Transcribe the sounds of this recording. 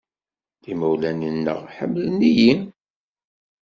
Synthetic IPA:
ðimæwlæninːə̰ʁħə̰mːlənijin

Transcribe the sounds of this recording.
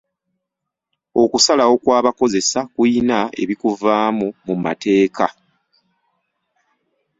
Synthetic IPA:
o̞kusalawo̞kwaːβako̞ze̞sakuinae̞̰βikuvaːmumuma̰te̞ːkʰa

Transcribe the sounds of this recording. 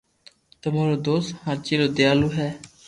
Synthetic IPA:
t̪əmaːɾoːd̪oːshãːɾt͡ʃeːloːd̪ejaːluːɦɛː

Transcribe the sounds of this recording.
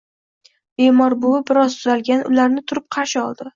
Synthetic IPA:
b̥e̞mɒɾbʊɪbɪɾɒzt̪ʰʊzalɡʲanʊ̰laɾnɪt̪ʰʊɾɪp̚qʰɑɾʃɪɒlˠd̪ɪ

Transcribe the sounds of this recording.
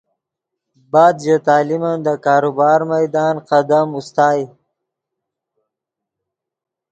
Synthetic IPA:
bɑːd̪ʒat̪aːlimand̪əkɑːɾubɑːɾmajd̪ɑːnqad̪amust̪ɑːj

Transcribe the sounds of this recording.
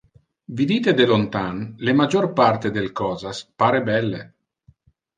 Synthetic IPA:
vid̪iːt̪ed̪elont̪anlemad͡ʒorpart̪ed̪elkɔːzaspaːɾebɛlːe

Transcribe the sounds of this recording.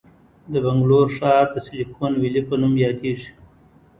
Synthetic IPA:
d̪əbaŋɡloʂɑːɾd̪əsɪlifonwilipənumjɑd̪eʐi̥

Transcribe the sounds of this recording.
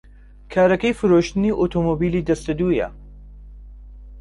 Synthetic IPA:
kʰaːɾɐkɐjfɨɾoːʃt̪ɨniːʔot̪ʰoːmobiːliːd̪ɐst̪ɐd̪uːjɐ̰

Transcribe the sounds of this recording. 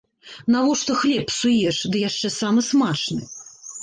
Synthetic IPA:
navɔʂt̪ɔxlʲɛpsujɛʂd̪ɨjaʂt͡ʂɛsamɨsmat͡ʂnɨ̰

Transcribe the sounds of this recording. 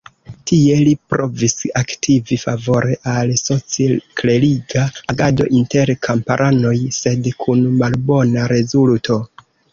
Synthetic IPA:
tie̞lipɾʔo̞visaktʰivifavo̞ɾe̞ʔalso̞t͡sikle̞liɡaːɡado̞̰ʔinte̞ɾkʰampaɾʔano̞jse̞dkʰunmalbo̞naɾe̞zultʰo̞

